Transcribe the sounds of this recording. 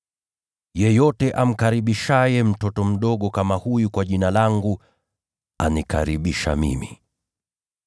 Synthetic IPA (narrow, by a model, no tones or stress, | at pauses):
jɛjɔtɛʔam̩kaɾiɓiʃajɛm̩tɔtɔm̩ɗɔɠɔkamahujukwaʄinalaŋɡu | a̰nika̰ɾiɓiʃa̰mḭmi